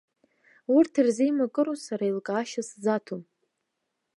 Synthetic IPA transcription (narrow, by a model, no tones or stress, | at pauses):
urtʰirzijmakʼɨɾosaɾailkʼaːʃasd͡zatʰom